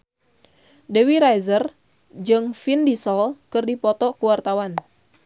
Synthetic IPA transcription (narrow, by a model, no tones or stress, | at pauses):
dɛwiɾajzər | d͡ʒɨŋfindisɔlkɨrdipɔt̪ɔkuwart̪awan